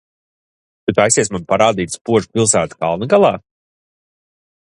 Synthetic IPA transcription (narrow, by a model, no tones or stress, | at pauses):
t̪ut̪ajsiɛsmanpaɾaːd̪iːt̪spuɔʒpʲilˠsæːt̪ka̰lˠnaɡalˠɑː